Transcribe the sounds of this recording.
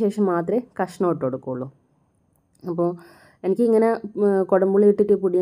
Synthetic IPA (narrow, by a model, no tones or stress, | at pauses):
e̞ːʂɐmːaːt̪rɐkɐʂɐɳɐoʈːoɽukːuːɭːu | ɐpːoː | enikʲːɨiŋːɐnekoɽɐmbuɭʋiʈːiʈːɨpuɽijɐ